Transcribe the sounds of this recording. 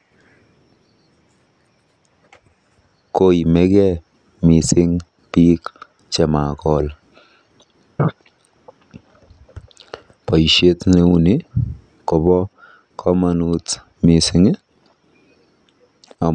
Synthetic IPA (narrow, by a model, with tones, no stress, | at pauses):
ko˦i˨mɛ˦kɛ˦ | mi˨sɪ˦ŋ | pi˦k | t͡ʃɛ˨ma˨kɔ˨l | pa˨i˨ʃe˦tle˨u˦ni˦ | kɔ˨bɔ˦ | kʰɔ˦ma˨nu˦t | mi˨sɪ˦ŋɪ˦ | a˨